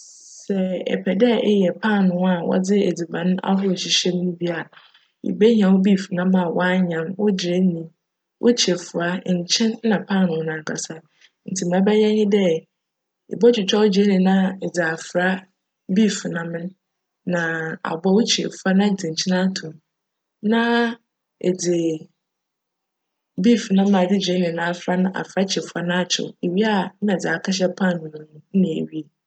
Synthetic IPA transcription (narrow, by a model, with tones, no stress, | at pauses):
sɛ˨ɛ̰˨pʰɛ˨dɛ˦ɪ˦jɛ˨pʰa˦˨nʊ̃˨˦a˦˨wɔ̰˦d͡zɪ˦e˨d͡zi˨bã˨ñ˦a̰˦ɦʊ˦˨ɕi˨ɕɛ˦m˦nũ˦bi˦a˨a˨ | ḭ˨be˦ɲ˨ã˨wʊ˦bi˦˨fnã˦m˦ma˨wʔa˦ɲã˨mwʊ˦d͡ʑɪ˨ɾe˦nĩ˨ | wʔo̰˦t͡ɕʰi˨e˨fʊ˨a˦˨ɲ˨t͡ɕʰɛ̃˦nnã˨pʰaː˦˨nʊ̃˨˦nã˨kʰa˨sa˦ | n̩˨tʰi˨m˨ã˨˦bɛ˦jɛ̃˦ɲɪ̃˦dɛ˦ | ɪ̰˨bɔ˦t͡ɕʰᶣɪ˨t͡ɕʰᶣɔ˦ʊ˦d͡ʑi˨ɾe˦nĩ˨nã˦ɛ˨d͡zɪ˨a˨fɾa˦ | bi˦˨fnã˨mɪ̃˦n | nã˨a̰˨bɔ˦wʊ˦t͡ɕʰɪ̰˨fa˦nã˦˨d͡zɪ˨ɲ̩˨t͡ɕʰɪ̃˦nã˦tʰũ˨m | nã˦ | ɛ̰˨d͡zɪ˨ | bi˦˨fnã˦m˦ã˨dɪ˦d͡ʑᶣe˦nɪ̃˨nã˨fa˦nã˦ʔa̰˨fɾa˦t͡ɕʰɪ˨fa˦nã˦a˦˨t͡ɕʰɪ̰˨e˨ɥi˦a˦˨˦nã˨d͡za˨kʰa˦ɕ̬ɛ˦pʰã˦˨nʊ̃˨ñ˨ñ̩˨˦nɪ̃˨ḛ˨ɥi˦e˨